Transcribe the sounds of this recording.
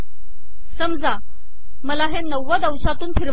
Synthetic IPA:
sɐmza | mɐlaɦennɐwɐd̪awsat̪unpʰiɾ

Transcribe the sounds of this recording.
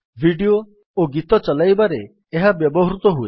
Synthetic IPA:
bʱiɖio | oɡit̪ɔt͡ʃɔlajbaɾeː | ɦabjɔbɔɦɾut̪ɔɦue

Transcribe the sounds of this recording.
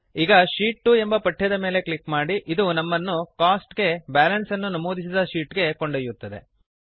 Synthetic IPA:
iːɡɐʃiːʈːue̞mbɐpɐʈʰːijɐd̪ɐme̞ːle̞kɭikmaːɽiʔid̪unɐmːɐnːukaːsʈɡe̞baːlɐnsɐnːunɐmoːd̪isid̪ɐʃiːʈɡe̞ko̞ɳɖɐjut̪ːɐd̪e̞̰

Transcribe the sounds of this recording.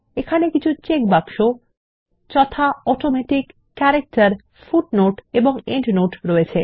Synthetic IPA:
ekʰanekit͡ɕʰut͡ɕek̚bakʃo | t͡ɕɔt̪ʰaɔʈomɛʈikː | ɛɾek̚ʈaɾ | fuʈnoʈeboŋeɳʈnoʈɾoet͡ɕʰe

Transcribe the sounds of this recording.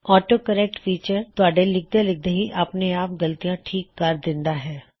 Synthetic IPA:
ɔːʈoːkəɾɛk̚ʈfʰiːt͡ʃəɾt̪ʊaːɖelɪk̚d̪elɪk̚d̪eɦiʔəpneaːp̚ɡəlt̪ijãʈʰiːkːəɾd̪ɪ̃nd̪aɦɛː

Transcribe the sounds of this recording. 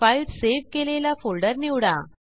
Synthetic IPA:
ajɾseʋkelelafolɖəɾniwɽa

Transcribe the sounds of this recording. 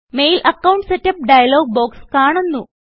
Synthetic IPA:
me̞jlʔɐkːɐwɳɖsetːɐp̚ɖɐjɐloːɡ̚bo̞ːkskaːɳunːu

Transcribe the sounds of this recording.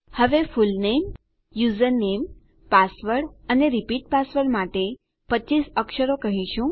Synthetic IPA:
həʋefulnem | juzəɾnem | pasʋəɽəneɾipiʈ̚pasʋəɽmaʈe | pəːisəkʃəɾokəɦiʃũ

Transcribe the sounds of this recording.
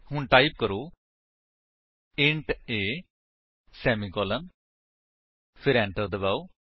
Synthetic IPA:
hʊɳʈaːiːp̚kəɾoː | ɪ̃ɳʈeː | sɛːmiːkɔːlən | pʰɪɾɛ̃ːɳʈəɾd̪əbaːoː

